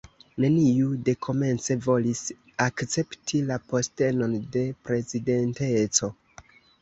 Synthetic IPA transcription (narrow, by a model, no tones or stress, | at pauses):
ne̞niude̞kʰo̞me̞nt͡se̞vo̞lis | akt͡se̞ptʰilapo̞ste̞no̞nde̞pɾe̞zide̞nte̞t͡so̞